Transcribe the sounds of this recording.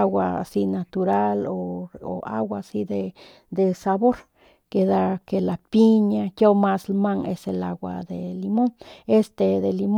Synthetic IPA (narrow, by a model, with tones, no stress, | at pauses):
wa̰si˦nat̪uɾa˦loo̰˨a̰˦wasi˦d̪e˧ | d̪e˨saβo˦ɾ | ke˧d̪a˦ke˧la˨pi˦ɲa˧kjo˦ma˦slma˦ŋe˧selaɡwa̰d̪elimo˦ŋe˦st̪e˧d̪e˨lim